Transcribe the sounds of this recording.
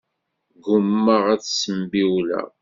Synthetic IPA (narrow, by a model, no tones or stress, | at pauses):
ɡʊmːəʁæt͡sːsəmbiwlæ̰